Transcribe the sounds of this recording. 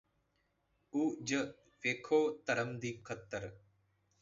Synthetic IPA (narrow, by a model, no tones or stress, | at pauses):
uːd͡ʒə | ʋeːkʰoːt̪əɾəmd̪iːkʰət̪ːəɾ